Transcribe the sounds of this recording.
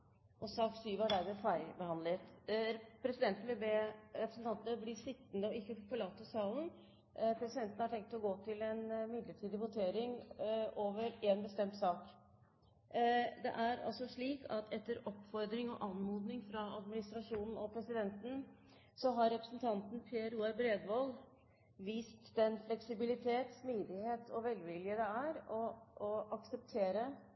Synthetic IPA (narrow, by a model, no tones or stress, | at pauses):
ʔɔsɑːk̪syːʋɑd̪æɪmɛfæɪbəhɑnd̪lət̪ | pʰɾɛsɪd̪ɛnt̪lɪbeːɾɛpɾəsn̩t̪ʰɑnt̪nəblɪʂɪt̪ːnd̪əɔɪkːəfɔɭɑːt̪ːɔsɑːln̩ | pʰɾɛsɪd̪ɛnt̪nəhɑʈʰɛŋk̚t̪ɔɡoːt̪ʰɪlɛnmɪd̪ləʈʰiːd̪ɪʋʊt̪ʰeːɾɪŋoːʋəɾeːnbəst̪ɛmt̪sɑːk | d̪ɛ̰ʔæɾɑ̰lsɔʂɭiːkɑt̪ʰɛt̪ːəɾɔpːfɔɾd̪ɾɪŋɔ̰ʔɑnmuːd̪nɪŋfɾɑɑd̪mɪnɪst̪ɾɑʂuːnn̩ɔpʰɾɛsɪd̪ɛnt̪n̩ | sɔɦɑɾːɛpɾəsn̩t̪ʰɑnt̪n̩pʰeːəɾuːɛbɾeːd̪ʋɑl | ʋiːst̪d̪ɛnflɛksɪbɪlɪt̪ʰeːt̪smiːd̪ɪheːt̪ʰɔʋɛlʋɪljəd̪ɛæɾɔɔʔɑksəp̚t̪ʰeːɾə